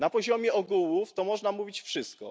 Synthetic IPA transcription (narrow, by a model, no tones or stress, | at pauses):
napɔʑɔmʲjɛɔɡuwuft̪ɔmɔʐnamuvʲit͡ɕfʂɘst̪̚kɔ̰